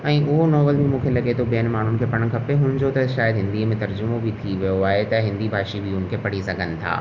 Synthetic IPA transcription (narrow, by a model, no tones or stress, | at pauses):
ɛ̃ːʔʊɦonɔːbəlbʱimũːkʰelɐɡet̪ʰobeənmaːɳ̤ʊnɪ̆kʰepɐɽ̃kʰɐpeɦʊ̃ːɪ̃nd͡ʑot̪ɐʃaːjəd̪ɦɪ̃nd̪imẽt̪ɐɾd͡ʑʊmobʱit̪ʰiʋijoaːɦet̪ɐɦɪ̃nd̪ibʱaːʃibʱiʊn̆kʰepɐɽisɐɡʱənɪ̆t̪ʰa̰ː